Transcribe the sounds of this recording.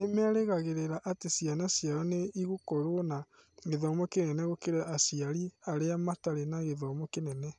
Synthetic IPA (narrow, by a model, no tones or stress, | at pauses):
nemeaɾeɣaɣeɾeɾaʔatesijanasjaɾɔneiɣukɔɾwona | ɣeðɔmɔkenɛnɛɣokeɾaʔasiaɾiaɾeamataɾenaɣeðɔmɔkenɛnɛ